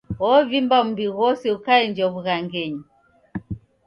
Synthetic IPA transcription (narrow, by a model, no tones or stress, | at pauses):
ɔvimbambiɣɔsɛukaɛnd͡ʒɔβuɣaŋɡɛɲi